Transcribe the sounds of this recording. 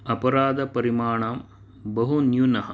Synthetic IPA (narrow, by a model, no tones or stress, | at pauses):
ɐpɐɾaːd̪ɐpɐɾimaːɳaːm | bɐɦunjunɐɦɐ